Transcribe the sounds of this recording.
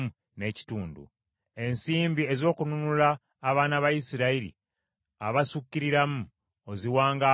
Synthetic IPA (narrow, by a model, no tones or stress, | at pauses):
u | ne̞ci̥tuːndṵ | e̞nsiːmbie̞zo̞ːkununulaː | βaːnaβajisiɾaiɾḭ | aβasucːiɾiɾamu | oziwaːŋɡa